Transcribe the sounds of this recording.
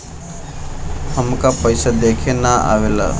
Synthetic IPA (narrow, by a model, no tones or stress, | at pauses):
həmkapəɪsad̪eːkʰenaa̰ːʋela̰